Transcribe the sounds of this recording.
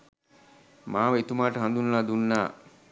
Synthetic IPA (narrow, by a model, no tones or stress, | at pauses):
maːʋəit̪umaːʈəɦand̪unːaːd̪unːaː